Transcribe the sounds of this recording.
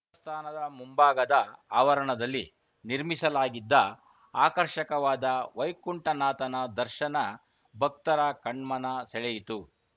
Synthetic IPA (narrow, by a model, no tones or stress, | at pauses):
ɐst̪ʰaːnɐd̪ɐmumbaːɡɐd̪ɐaːʋɐɾɐɳɐd̪ɐlːi | niɾmisɐlaːɡid̪ːɐ | aːkɐɾʃɐkɐʋaːd̪ɐʋɐjkuɳʈɐnaːt̪ɐnɐd̪ɐɾʃɐnɐ | bʱɐk̚t̪ɐɾɐkɐɳmɐnɐsɛɭɛjit̪u